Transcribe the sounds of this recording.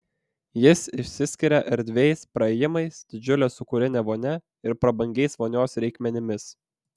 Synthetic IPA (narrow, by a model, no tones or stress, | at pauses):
jɪsɪʃʲsʲɪsʲkʲɪɾʲɛʔɛɾʲd̪ʲʋʲɛɪspɾɐɛːjɪmɐɪsd̪̥ʲɪd͡ʒʲʊlʲeːsʊkʊɾʲɪnʲɛʋoːnʲɛ | ɪɾpɾɐbɐŋʲɡʲɛɪsʋoːnʲoːsɾʲɛɪkmʲɛnʲɪmʲɪs